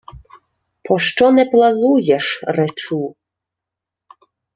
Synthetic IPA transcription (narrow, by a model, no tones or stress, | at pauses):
pʰɔʃt͡ʃɔnɛplˠɐzujɛʃrɛt͡ʃu